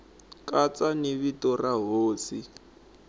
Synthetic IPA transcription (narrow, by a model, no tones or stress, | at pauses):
kʼat͡saniβitɔraɦoːsi